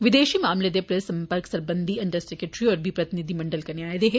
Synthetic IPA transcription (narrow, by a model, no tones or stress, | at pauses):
ʋɪd̪eːʃimaːmled̪epɾɐsɐ̃mpəɾksɐɾbə̃nd̪ʱiɐ̃nʈəsʈɪkeʈɾiɔːɾbʱipɾɐt̪ɪnɪd̪ʱimɐ̃ɳɖəlkɐɾneaːed̪eɦe